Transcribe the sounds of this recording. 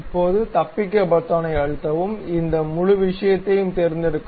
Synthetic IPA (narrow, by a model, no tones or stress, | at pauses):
pːoːðɯt̪ɐpːɪk̬ːɐbɐt̪ːaːnɐɪɐɻɯt̪ːɐʋɯmɪnd̪ɐmʊɻʊʋɪʂɐjɐt̪ːɐjɯmt̪ɛɾɪnd̪ɪɾɯkː